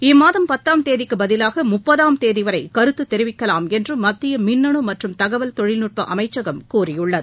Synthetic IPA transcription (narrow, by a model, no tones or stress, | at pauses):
ɪmːaːðɐmpɐt̪ːaːmt̪eːðɪkːɯbɐðɪlaːɣɐmʊpːɐðaːmt̪eːðɪʋɐɾɐɪkɐɾɯt̪ːɯt̪ːɛɾɪʋɪkːɐlaːmɛndrɯmɐt̪ːɪjɐmɪnːɐɳɯmɐʈrɯmt̪ɐɣɐʋɐlt̪ɔɻɪlnuʈ̚pɐʔɐmɐɪt͡ʃːɐɣɐmkuːrɪjɯɭːɐðɯ